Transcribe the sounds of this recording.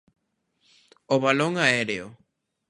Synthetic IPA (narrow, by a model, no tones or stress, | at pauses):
oβaloŋaeɾeo